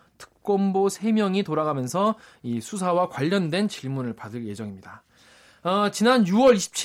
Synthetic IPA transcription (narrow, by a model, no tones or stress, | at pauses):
tʰɯ̥k̚k͈ʌmbosʰe̞mjʌŋitoɾaɡamjʌnsʰʌisʰus̬ʰawakwaʎːʌndwe̞nt͡ɕiɭmunɯɭpadɯɭje̞d͡ʑʌŋimɲida | ʌt͡ɕinanjuwʌɾiɕʰi̥p̚t͡ɕʰ